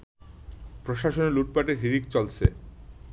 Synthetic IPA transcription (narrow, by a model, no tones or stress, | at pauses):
pɾoʃaʃoneluʈ̚paʈeɾɦiɾikt͡ɕɔlt͡ɕʰḛ